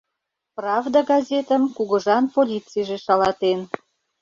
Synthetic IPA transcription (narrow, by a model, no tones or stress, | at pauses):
prɑvd̪ɑɡɑzʲet̪əmkuɣə̆ʒɑnpolʲit͡sijʒeʃɑlɑt̪en